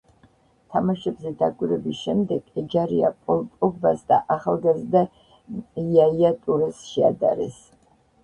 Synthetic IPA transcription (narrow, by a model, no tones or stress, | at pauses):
t̪ʰamaʃɛbzɛd̪akʼiɾɛbisʃɛmd̪ɛɡ̥ɛd͡ʒaɾia̰pʼɔpʼɔɡbasd̪a̰ʔaχalˠɡazd̪a | jaiat̪ʼuɾɛsʃɛa̰d̪a̰ɾɛ̰s